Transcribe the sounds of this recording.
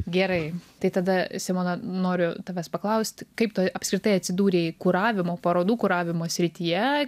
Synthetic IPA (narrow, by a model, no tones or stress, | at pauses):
ɡʲɛɾɐɪt̪ɐɪt̪ɐd̪ɐsʲɪmoːnɐnoːɾʲʊt̪ɐʋʲɛspɐklˠɐʊsʲt̪ʲkɐɪpt̪oːʔɐpskɾʲɪt̪ɐɪɐt̪ʲsʲɪd̪uːɾʲeikʊɾɑːʋʲɪmoːpɐɾoːd̪uːkʊɾɑːʋʲɪmoːsʲɾʲɪt̪ʲiːjɛ